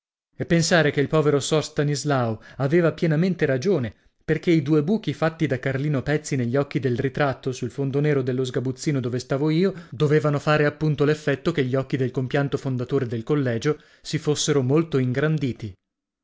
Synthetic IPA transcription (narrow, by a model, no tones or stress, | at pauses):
epːensaːɾekeilpɔːveɾosɔrst̪anizlawaveːvapjɛnament̪eɾad͡ʒoːne | perk̟eid̪uːebuːk̟ifat̪ːid̪akːarliːnopɛt̪sːineʎːɔk̟ːid̪elrit̪ɾat̪ːosulfond̪oneːɾod̪elːozɡabut̪sːiːnod̪oːvest̪aːvoiːod̪oveːvanofaːɾeapːunt̪olefːɛt̪ːokeʎːiɔk̟ːid̪elkompjant̪ofond̪at̪oːɾed̪elkolːɛːd͡ʒo | sifosːeɾomolt̪oiŋɡɾand̪iːt̪i